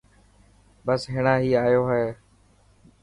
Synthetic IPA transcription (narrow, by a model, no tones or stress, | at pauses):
bəsɦɪːɳãːɦiːaːjoːɦɛː